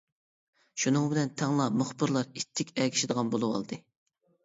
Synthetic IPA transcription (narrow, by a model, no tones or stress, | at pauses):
ʃunɨŋbɪlɛnt̪ʰɛŋlˠɑmʊχbɨɾlˠɑɾit̪ʰːɪkʲɛkʲi̥ʃɪd̪əʁɑnbolˠuwɑ̰lˠd̪ɨ